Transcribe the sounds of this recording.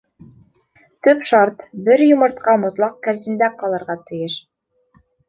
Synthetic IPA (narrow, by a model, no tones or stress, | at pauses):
t̪ɵpʃɑɾt̪bɘɾjŏmɤ̆ɾt̪qɑmŏt̪lˠɑq̚kæɾzɘ̆nd̪æqɑlˠɤ̆ɾʁɑt̪ɘ̆jɘʃ